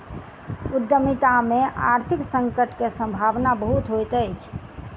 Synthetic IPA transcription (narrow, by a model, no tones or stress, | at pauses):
ud̪ːjəmit̪ameʔa̰ɾt̪ʰiksəŋkəʈkesə̃mbʱaʋnabəɦut̪ɦojt̪əjt͡ʃʰ